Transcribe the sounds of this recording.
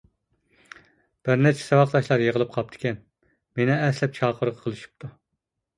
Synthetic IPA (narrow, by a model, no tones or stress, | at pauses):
b̥ɪɾnɛt͡ʃʰɛ̥sɛwɑqt̪ˠɑʃlˠɑɾjeʁəlˠɨp̚qʰɑp̚t̪ʰɪ̥kʲɛn | menɪɛslɛp̚t͡ʃʰɑːqʰəɾʁʰɑqʰəlˠɨʃi̥p̚t̪ʰu